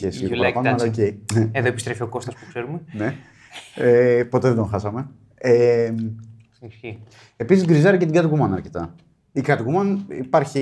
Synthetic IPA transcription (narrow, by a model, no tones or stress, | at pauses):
çesiit̪oɐɾɐɐpɐnmɐlɐoceineeðoepist̪ɾe̞fio̞ko̞st̪ɐspukseɾumene | epo̞t̪e̞ðed̪oxɐsɐme̞ | e | i | episizɡɾizɐɾicet̪iɡɐt̪iɣumɐnɐɾcet̪ɐ | ikɐt̪iɣumɐnḭpɐɾçi